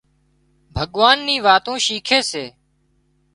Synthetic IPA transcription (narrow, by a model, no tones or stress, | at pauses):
bʱəɠʋaːnːĩːʋaːt̪ũːʃiːkʰeːseː